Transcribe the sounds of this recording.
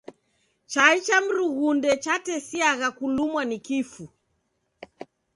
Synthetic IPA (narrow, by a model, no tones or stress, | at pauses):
t͡ʃait͡ʃam̩ɾuɣundɛt͡ʃatɛsiaɣakulumwanikifu